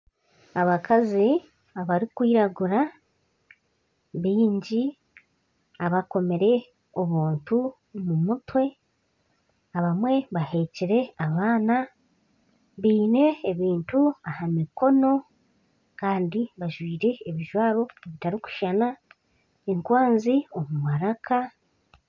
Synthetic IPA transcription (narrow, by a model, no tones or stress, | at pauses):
aβakʰazi | aβaɾikwiːɾaɡuɾa | βiːɲɟi | aβako̞me̞ɾe̞ | o̞βuːntu | mumutwe̞ | aβamwe̞βahe̞ciɾe̞aβaːna | βiːne̞ːβiːntuahamiko̞no̞ | kaːndiβaʒwiːɾe̞ːβiʒwaːβo̞eβitaɾiku̥ʃana | eŋkwaːnzio̞mumaɾakʰa